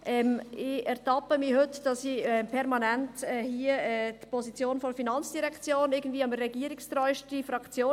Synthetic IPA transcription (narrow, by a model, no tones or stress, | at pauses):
ʔɛmɪɛɾtɑpəmihɵtd̥ɑsiɛmpʰɛɾmɑnɛntɛːhiəɛːt̪pʰɔsit͡sjoːnfɔɾfinɑnt͡sd̥iɾɛkt͡sjoːnɪɡən̩dviːəɑməːɛɡiːəɾikst̪ɾɔʏʃtifɾɑkt͡sjoː